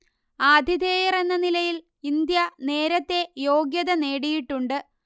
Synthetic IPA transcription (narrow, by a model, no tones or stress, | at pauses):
aːd̪ʱiðeːjirenːɐnilɐjil | ind̪jɐne̞ːɾɐt̪ːe̞jo̞ːɡjɐðɐne̞ːɽijiʈːuɳɖɨ